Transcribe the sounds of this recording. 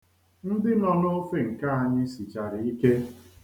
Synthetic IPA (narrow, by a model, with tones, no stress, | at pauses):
n̩˦dɪ˦nɔ˦no˦fe˦ŋ̩˨ka˦a˨ɲɪ˦si˨t͡ʃa˨ɾɪ˨i˦ke˦